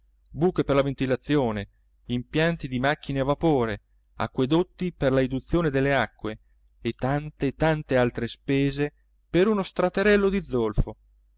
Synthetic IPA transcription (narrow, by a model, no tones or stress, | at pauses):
buːkeperlavent̪ilat̪sːjoːne | impjant̪id̪imakːineavapoːɾe | a̰kːwed̪ot̪ːiperlaid̪ut̪sːjoːned̪elːeakːwe | et̪ːant̪et̪ant̪ealt̪ɾespɛːze | peɾunost̪ɾat̪eɾɛlːod̪id̪zːolfo